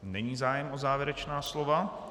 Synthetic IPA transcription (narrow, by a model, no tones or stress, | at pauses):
nɛɲiːzaːjɛmʔozaːvjɪɛɾɛt͡ʃnaːslo̞va